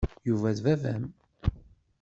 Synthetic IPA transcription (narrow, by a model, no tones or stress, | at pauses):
juvæðvævæ̰m